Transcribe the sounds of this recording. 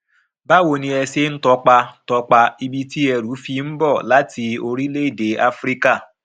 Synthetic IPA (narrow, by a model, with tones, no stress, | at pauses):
ba˦wo˨ni˨e˧se˦n̩˦tɔ˦k͡pa˧˦tɔ˨k͡pa˧i˦bi˦ti˦e˨ɾu˨˦fi˦m̩˦bɔ˦˨la˦ti˨˧o˦ɾi˦le˦i˨de˨a˦fɾi˦ka˦˨